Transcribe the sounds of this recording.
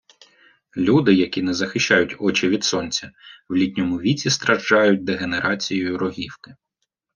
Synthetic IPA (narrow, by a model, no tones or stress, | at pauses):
lʲud̪ɪjɐkʲinɛzɐxɪʃt͡ʃːɑjʊtʲɔt͡ʃɪʋʲid̪sɔnʲt͡sʲɐwlʲitʲnʲɔmʊʋʲit͡sʲist̪ɾɐʒd͡ʒɑjʊt̚ʲd̪eɦe̞neɾʔɑt͡sʲijɔjʊɾɔɦʲiwkɪ̥